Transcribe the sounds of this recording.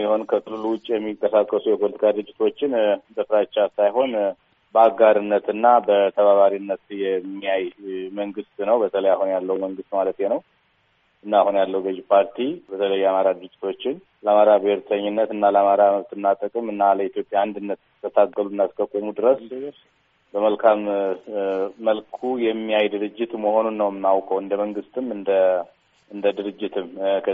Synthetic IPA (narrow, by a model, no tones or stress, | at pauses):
jɛho̞nkʰəkʰʼɨluluwʊt͡ʃʼːjɛmːikʼːəsakʼːəsujɛpʰo̞lət̪ʰi̥kʰad̪ɡɨt͡ʃʼːɪt̪ʰo̞t͡ʃːɪnbəfɾat͡ʃːasajɦo̞n | bəaɡaɾɨnːət̪ɨnːabət̪ʰəβaβaɾinːət̪jɛmːijajməŋɡɨst̪nəwbət̪ʰələjahunjalːəwməŋɡɨst̪malət̪jenəw | ɨnːaːhunjalːəwɡəd͡ʒpʰaɾt̪ʰibət̪ʰələjːɛamaɾad̪ɨɡɨt͡ʃʼːɪt̪ʰo̞t͡ʃːɪn | ləamaɾabɪheɾt̪ʰəɲːɪnːət̪ɨnːaləamaɾaməβt̪ɨnːat̪ʼəkʼɨmɨnːaləit̪jo̞pʼjaand̪ɨnːət̪ | t̪ʰːət̪ʰaɡːəlunːaskʰəkʼːəmud̪ɨɾəs | bəməlkʰam | əlkʰujɛmːijajd̪ɨɾɨd͡ʒːɪt̪məho̞nunːəwmnːawkʼəwɨnd̪əməŋɡɨst̪ʰɨmɨnd̪ə | ʔɨnd̪əd̪ɨɾɨd͡ʒːɪt̪ʰɨmkʰə